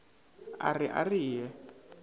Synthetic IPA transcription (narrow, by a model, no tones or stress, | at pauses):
a̰riʔa̰riːjɛ